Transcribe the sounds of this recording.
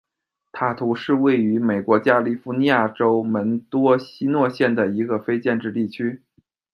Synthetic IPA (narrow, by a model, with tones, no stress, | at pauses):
t̪ʰa˥˩t̪ʰu˧˥ʂɻ̩˥˧we˥˩ɪy˧˥me˨˩ɪkwɔ˧˥t͡ɕja˥li˥˩fu˧˥ni˧˥ja˥˩ʈ͡ʂo˥ʊmə˧˥nt̪wɔ˥ɕi˥nwɔ˥˧ɕjɛ˥˩nd̪ə˩i˧˥ɡə˧fe˥ɪt͡ɕjɛ˥˧nʈ͡ʂɻ̩˥˧t̪i˥˩t͡ɕʰy˥